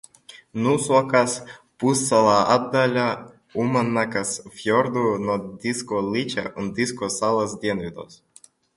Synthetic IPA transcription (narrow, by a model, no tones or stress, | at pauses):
nusakaspusːalˠɑad̪ːalʲa | umanːakasfjord̪unod̪ʲiskolʲit͡ɕa̰ʔund̪iskosɑlˠasd̪ʲenvʲid̪o̰s